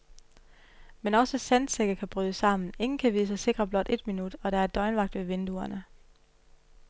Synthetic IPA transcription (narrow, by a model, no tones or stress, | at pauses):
menɒ̽səsænseɡ̥ɐkʰæb̥ʁyːðˠəsɑ̈m̰n̩e̝ŋn̩kʰæʋiðˠsɑ̈ɪse̝ɡ̥ʁɐb̥lɒ̽d̥e̝d̥minud̥ɒ̽ɾ̥ɑ̈æɐd̥ɒ̽ɪnʋɑ̈ɡ̥̚d̥ʋe̝ʋe̝nd̥uɐnə